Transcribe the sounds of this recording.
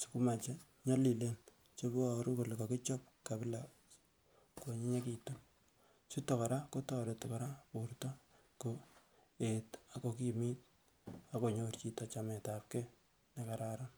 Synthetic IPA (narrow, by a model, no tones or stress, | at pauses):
su̥kumat͡ʃe | ɲɔlilen | t͡ʃebɔɾukolkokɪt͡ʃɔp̚ | kabɪla | koɲiɲekitun | sutɔkɔɾakotɔdetɔkɔɾapurtɔ | ko | etakokimit̚ | akoɲort͡ʃitat͡ʃametap̚ke | nekaɾaɾan